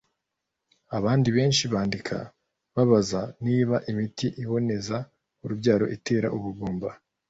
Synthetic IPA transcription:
aβaːndiβe̞ːnʃiβaːndikʰa̰ | βaβazaniːβaʔimitiʔiβo̞ne̞za | uɾubɟaːɾo̞̰ʔitʰe̞ːɾa̰ʔuβuɡuːmba

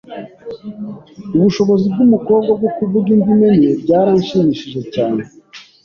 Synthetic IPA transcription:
uβuʃo̞βo̞zib̚ɡumuko̞ːb̚ɡab̚ɡokuvuɡindimeniɾebɟaːɾaːnʃiːmiːʃiʒe̞caːne

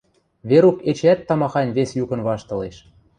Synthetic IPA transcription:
βeɾuket͡ɕæt̪ːɑmɑxɑnʲβesjukɤ̆nβɑʃt̪ɤ̆leʃ

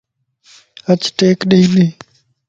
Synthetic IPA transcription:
ət͡ʃʈeːkɗeːɗeː

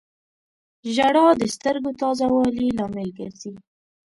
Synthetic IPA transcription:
ʒaɽɑd̪əst̪əɾɡot̪ɑzawɑlilɑmɪlɡə̰ɾzi

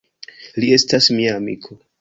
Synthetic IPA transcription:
lie̞stasmiaːmḭkʰo̞

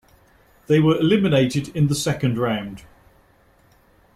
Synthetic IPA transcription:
ðeɪwəɹɪlɪmɪneɪtɪdɪ̃nðəsɛkə̃ndɹãʊ̃nd̥

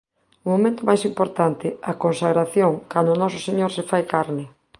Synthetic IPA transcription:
ʊmomẽnt̪ʊmajsimpoɾt̪ant̪ɪakonsaɣɾaθjoŋkand̪ʊnɔsʊseɲoɾsefajkaɾnɪ

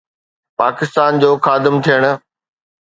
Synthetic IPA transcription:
paːkɪst̪aːnd͡ʑoːxaːd̪ɪmt̪ʰijəɽ̃ʊ̆

